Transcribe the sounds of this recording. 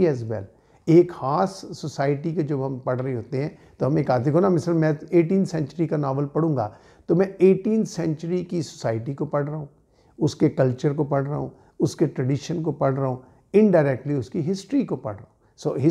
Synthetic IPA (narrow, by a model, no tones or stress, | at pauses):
ɛːzʋɛ̰l | eːkxaːsːosaːɪʈiked͡ʒɐbɦɐmpɐɽɾɐɦeɦoːt̪eɦɛ̃ːt̪oɦɐmeːkaːd̪ekʰonamɪsɾəmɛ̃eːʈĩːnt̪ʰsɛ̃ɲt͡ʃəɾikanaːʋəlpɐɽ̤ũːŋɡa̰ː | t̪omɛ̃eːʈiːnt̪ʰsɛ̃ɲt͡ʃəɾikiso̥saːɪʈikopɐɽɾɐɦũː | ʊskekɐlt͡ʃəɾkopɐɽɾɐɦṵ̃ | ʊskeʈɾəɖiʃənkopɐɽɾɐɦõː | ɪ̃ɳɖaːɪɾɛːk̚ʈliʊskiɦɪsʈɾikopɐ̰ɽ̤ɾɐɦũ | soːɦɪ